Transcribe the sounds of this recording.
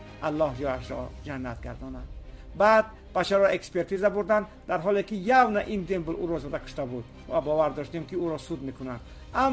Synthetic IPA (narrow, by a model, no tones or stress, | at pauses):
ʔalːɔɦd͡ʒɔaʃɾɔ̰d͡ʒanːat̪ɡa̰ɾd̪ɔna | bad̪̚ | b̥at͡ʃʰaɾɔʔekspeɾt̪izabuɾd̪and̪aɾɦɔlekijavnaʔind̪embluɾɔzɔd̪akʰu̥ʃt̪abud̪ | vabɔvaɾd̪ɔʃt̪emkiuɾɔsud̪mekunand̪ | am